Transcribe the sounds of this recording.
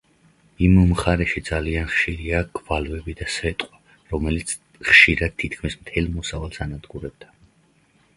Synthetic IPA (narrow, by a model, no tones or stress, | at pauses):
imːχaɾɛʃid̪zalianχʃiɾiaɡvalvɛbid̪asɛt̪ʼqʼwa | ɾɔmɛlit̪sʰ | χʃiɾad̪̥̚t̪ʰit̪̚ʰkʰmismt̪ʰɛlˠmɔsavalˠsanad̪ɡuɾɛb̚d̪a